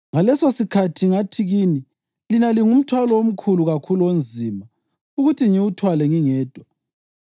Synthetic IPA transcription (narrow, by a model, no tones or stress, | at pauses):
ŋalɛsosikʰatʰiŋatʰiɣiːni | linaliŋum̩tʰwalɔom̩kʰuluɣakʰulond͡zʱiːma | uɣutʰiŋiwutʰwalɛŋiŋɛːd̥ʱwa